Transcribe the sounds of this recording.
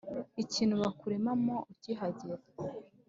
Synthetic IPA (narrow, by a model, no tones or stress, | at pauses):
iciːn̤̥uβakuɾe̞mamo̞uciɦaɟeɾa